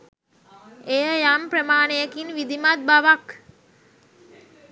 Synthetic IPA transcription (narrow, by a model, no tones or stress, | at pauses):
ejəjampɾəmaːnejəkinʋid̪imat̪̚baʋak